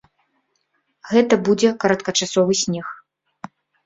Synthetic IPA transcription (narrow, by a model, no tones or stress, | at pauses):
ɣɛt̪ɐbud͡zʲɛkɐɾɐt̪̚kɐt͡ʂasɔvɨsʲnʲɛx